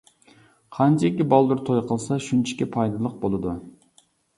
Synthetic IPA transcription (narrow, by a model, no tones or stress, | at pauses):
qʰɑnt͡ʃʰekʲːibɑlˠd̪uɾt̪ʰojqʰəlˠsɑʃynt͡ʃʰi̥kʲɛpʰɑjd̪ɨlˠəq̚bolˠɨd̪u